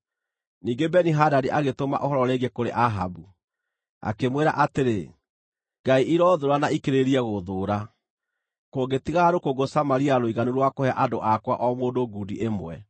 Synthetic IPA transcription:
niːŋɡebɛniɦadaɾiʔaɣetoma̰ʔoɦɔɾɔɾɛɣekoɾḛʔaɦa̰bu | a̰kemweɾaʔateɾe | ɡaiʔiɾɔðoɾanaikeɾeɾiɛɣoðoːɾa | koɡetiɣaɾokoɡosamaɾiaɾoiɣanuɾwakohɛaʔadoʔakwa̰ʔɔmoːndoɡudiʔemwɛ

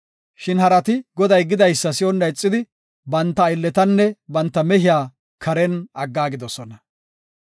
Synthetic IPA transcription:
ʃɪnhɐɾɐt̪ɪɡɔd̪ɐjɡɪd̪ɐjsːɐsɪɔnːɐɪt͡sʼːɪd̪ɪ | bɐnt̪ːɐɪlːɛt̪ɐnːɛbɐnt̪ːɐmɛɦɪjaː | kʰɐɾɛnɐɡːaːɡɪd̪ɔsɔnɐ

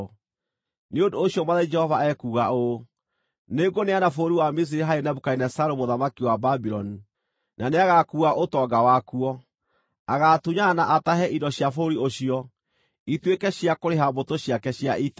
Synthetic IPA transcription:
neondoːɕiɔmaðed͡ʒɛhɔvaɛkuɣao | neɡoneanafoɾiwamis̬iɾeɦaɾenaβukainɛsaɾomoðamakiwababiɾɔni | naneaɣakuːɣaʔotɔːɡawakuɔ | aɣatuɲanaʔataɦɛʔidɔɕjafoɾioɕiɔ | itwekɛɕiakoɾeɦabotoɕjakɛɕjaʔit

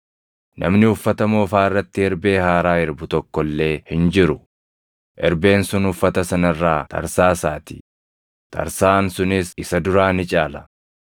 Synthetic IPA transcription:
nʔɐ̰mnɪʊfːɐt̪ɐmoːfaːɪrːɐt̪ːɪɛɾbeːhaːɾaːɪɾbʊt̪ɔkːɔlːe̞ːhɪnd͡ʒɪɾʊ | ʔɛɾbe̞ːnsʊnhʊfːɐt̪ɐsɐnɐrːaːt̪ʰɐ̰ɾsaːsaːt̪ɪ̥̰ | t̪ʰɐ̰ɾsaːnsʊnɪsɪsɐd̪ʊɾaːnɪt͡ʃʼaːlɐ̥

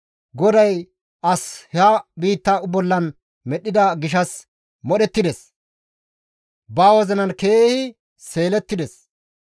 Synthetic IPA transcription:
ɡɔd̪ɐj | ɐshɛaːbiːt̪ːaʊbɔlːɐn | mɛɗɪd̪ɐɡɪʃ̬ɐs | mɔɗɛt̪ːɪd̪ɛs | baːwɔzɐnɐnke̞ːhɪ | se̞ːlɛt̪ːɪd̪ɛs

